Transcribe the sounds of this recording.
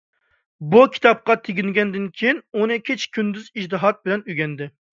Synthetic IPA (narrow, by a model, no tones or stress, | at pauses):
bukʲʰi̥t̪ɑp̚qɑt̪ʰeɡʲinɡʲɛnd̪ɪnkʲʰejinunɨkʲʰet͡ʃʰkʲʰynd̪yzid͡ʒd̪ɨɦɑt̪̚bɪlɛnyɡʲɛnd̪ɪ